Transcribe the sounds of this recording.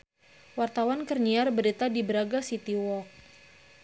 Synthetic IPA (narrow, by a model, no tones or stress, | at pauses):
wart̪awankərɲiarbəɾit̪adibəɾaɡasit̪iwɔk̚